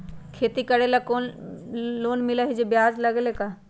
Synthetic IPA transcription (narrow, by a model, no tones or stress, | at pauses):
kʰeːt̪ikɐɽelakoːn | loːnmɪlaɦid͡ʒebjaːd͡ʒlɐɡelekaː